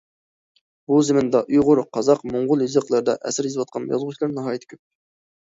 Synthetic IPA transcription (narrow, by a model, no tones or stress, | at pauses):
buzɪmɪnd̪ɑʔujʁʊɾqʰɑzɑqmoɴʁʊlˠjizəqlˠɨɾd̪ɑʔɛ̰sɪɾizɨwɑt̪̚qʰɑnjɑ̰zʁʊʃʰʲlˠɑɾnɨɦɑːjit̪ʰɪ̥kʲʰøp̚